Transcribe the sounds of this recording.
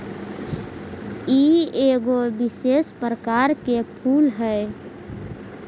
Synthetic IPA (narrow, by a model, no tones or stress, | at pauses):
ieɡobɪsespɾəkaɾkepʰuːlɦɛ